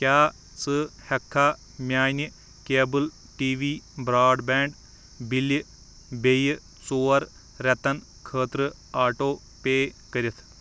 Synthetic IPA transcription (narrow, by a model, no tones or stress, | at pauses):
kʲjaː | t͡sɨhɐkʰːaː | mʲjaːni | keːbɨl | ʈiːʋiːbɾaːɖbɛːɳɖ | bil | bej | t͡soːɐɾ | ɾɛt̪ɐn | kʰəːt̪ɾɨ | aːʈoː | peːkɐɾit̪ʰ